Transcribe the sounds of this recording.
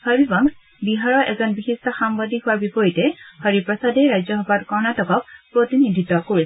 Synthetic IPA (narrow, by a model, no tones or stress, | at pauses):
hɔɹibaŋ | biɦaɹɔʔɛzɔnbixistɔxambadʱiɦʊwaɹbipɔjitɛhɔɹipɹɔsadɛɹajzɔɦɔbadkɔɹnatɔkɔk̚pɹotinidʱitɔkoɹi